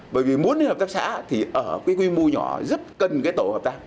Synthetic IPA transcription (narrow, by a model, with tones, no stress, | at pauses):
ɓəː˧˩jvi˨˩mu˨˦ənɨ˧˦həː˨˩p̚t̪aː˦˥sa̰ː˧˥t̪ʰi˨˩ʔəː˧˩kaː˨˦jkwi˧mu˧ɲɔ̰˧˩˨zə˦˥p̚kə˨˩nkaː˨˦jt̪o˧˩həː˨˩p̚t̪aː˦˥k̚